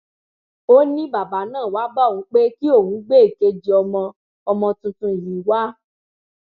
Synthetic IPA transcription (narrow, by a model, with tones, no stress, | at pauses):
o˦nĩ˦ba˨ba˨˦nãː˦˨wa˨˦ba˦˨wũ˨˦k͡pe˦ki˦o˦˨wũ˨˦ɡ͡be˦˨ke˧d͡ʒi˨˦ɔ˧mɔ̃˧ | ɔ˧mɔ̃˧tũ˧tũ˧˨jĩ˨˦wa˦